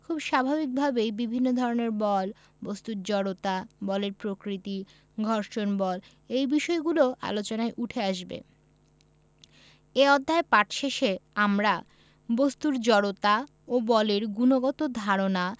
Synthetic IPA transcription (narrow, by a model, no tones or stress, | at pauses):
kʰubʃabʱabik̚bʱabejbibʱinːod̪ʱɔɾoneɾbɔl | bost̪uɾd͡ʑɔɽot̪abɔleɾpɾokɾit̪i | ɡʱɔɾʃonbɔl | ejbiʃɔeɡuloʔa̰lot͡ɕonaeʔuʈʰeaʃbḛ | eɔd̪ʱːaepaʈʃeʃeamɾa | bost̪uɾd͡ʑɔɽot̪a | obɔleɾɡunoɡɔt̪od̪ʱaɾona